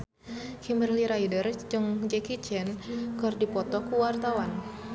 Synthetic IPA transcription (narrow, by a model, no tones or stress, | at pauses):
kimərliɾaidərd͡ʒɨŋd͡ʒɛkit͡ʃɛnkɨrdipɔt̪ɔkuwart̪awan